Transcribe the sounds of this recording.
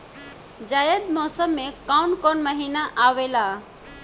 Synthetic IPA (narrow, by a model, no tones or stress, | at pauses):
d͡ʒajəd̪mɔsəmːekawɳkɔnməɦinaʔawela